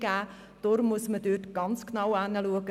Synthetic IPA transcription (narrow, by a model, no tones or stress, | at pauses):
ɡæː | d̥oɾmuəsmədøːtɡ̥ɑnt͡sknɑwanəluəɡə